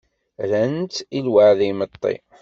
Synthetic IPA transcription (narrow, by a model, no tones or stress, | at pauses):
ɾænt̪ilwəʕðimət̪ˤːḭ